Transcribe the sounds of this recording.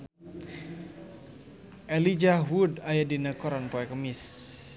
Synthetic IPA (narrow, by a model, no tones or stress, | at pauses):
ʔɛlid͡ʒawudajadinakɔɾanpɔɛkəmis